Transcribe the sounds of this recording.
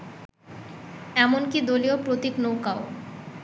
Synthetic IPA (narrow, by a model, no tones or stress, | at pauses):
ɛmonkid̪oliopɾot̪iknowkao